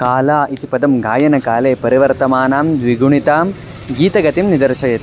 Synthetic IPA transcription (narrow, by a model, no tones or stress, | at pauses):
kaːlaːʔit̪ipɐd̪ɐmɡaːjɐnɐkaːleːpɐɾiʋɐɾt̪ɐmaːnaːmd̪ʋiɡuɳit̪aːm | ɡiːt̪ɐɡɐt̪imnid̪ɐɾʃɐjɐt̪i